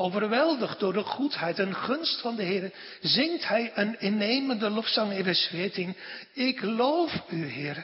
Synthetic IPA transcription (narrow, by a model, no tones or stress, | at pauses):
owvərʋɛlˠdəχdʊːɹdəχutɦɛjtənχɵnstfɑndəɦɪːɾə | zɪŋthɛjənɪnejməndəlɔfsɑŋenvɛsfɪːɹtɪnɪklowfyɦɪːr